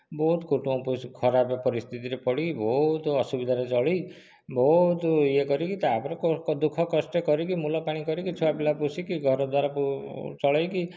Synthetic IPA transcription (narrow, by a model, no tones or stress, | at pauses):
bɔɦut̪kuʈuɔ̃puskʰɔɾabepɔɾist̪ʰit̪iɾepɔɽikibɔɦut̪ɔsubid̪ʱaɾet͡ʃɔɭi | bɔɦut̪iekɔɾikit̪abɔɾɔkɔd̪ukʰɔkɔsʈekɔɾikimulɔpaɽ̃ikɔɾikit͡ʃʰuapilapusikiɡʱɔɾɔd̪waɾaput͡ʃɔɭajki